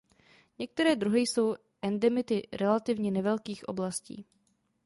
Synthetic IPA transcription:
ɲɛk̚t̪ɛɾɛːd̪ɾuɦɪjso̞w | ʔɛndɛmɪt̪ɪɾɛlat̪ɪvɲɛnɛvɛlkiːxʔo̞̰blascḭː

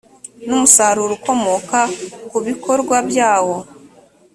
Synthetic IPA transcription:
numusaɾuɾuko̞mokakuβikʰo̞ɾɡwabjaːwo̞

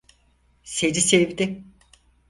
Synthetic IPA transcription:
sed͡ʒisevd̪ɪ

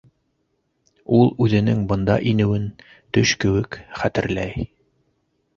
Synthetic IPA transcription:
ulˠʉðɘ̆nɘŋbɤ̆nd̪ɑ̰ʔinɘ̆wɘn | t̪ɵʃkɘ̆wɘkχæt̪ɘ̆ɾlæj

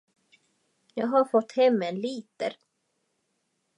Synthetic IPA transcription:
jɑːɡɦaɾfɔt̪ːhɛmːɛnliːt̪ə̰ɾ

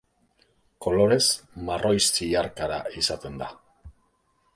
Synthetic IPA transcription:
ko̞lo̞ɾe̞zmarʔo̞jst͡siaɾkaɾaisat̪e̞nd̪a

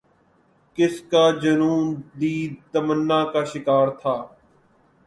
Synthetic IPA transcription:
kɪskaːd͡ʒənuːnd̪iːt̪əmənːaːkaːʃɪkaːɾt̪ʰaː

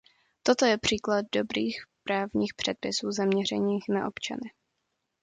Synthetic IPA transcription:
t̪o̞t̪o̞jɛpr̝̥iːklad̚do̞bɾiːxpɾaːvɲiːxpr̝̥ɛt̪̚pɪsuːzamɲɛr̝ɛɲiːxna̰ʔo̞̰pt͡ʃa̰nɪ

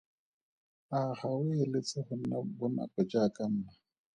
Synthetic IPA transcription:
aχawɪlet͡sʼɪhʊa̰bʊna̰kʼɛd͡ʒakʼan̩ːna

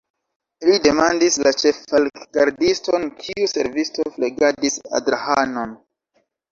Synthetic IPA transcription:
lide̞mandislat͡ʃe̞falɡ̥aɾdistonkʰiuse̞ɾvisto̞fleɡadisa̰dɾahano̞n

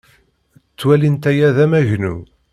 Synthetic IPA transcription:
t͡sːwælint̪æjæðæmæʝnṵ

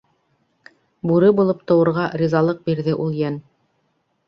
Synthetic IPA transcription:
buɾɘbulˠɤpt̪ɤ̆wɤ̆ɾʁɑɾʲizɑlˠɤq̚biɾðɘʔulˠjæn

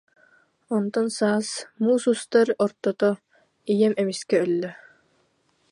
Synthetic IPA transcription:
ɔnt̪ɔnsaːsmuːsust̪aɾɔɾt̪ɔt̪ɔ | ijɛmɛmiskɛœlːœ

